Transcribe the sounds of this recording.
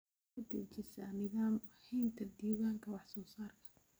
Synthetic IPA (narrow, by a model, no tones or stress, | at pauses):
ɐd̪ɐt͡ʃɪsanɪðaːmhɛjnt̪ʰɐd̪iːɣaːŋkʰɐwɑħsɔːsaːrkʰɐ̥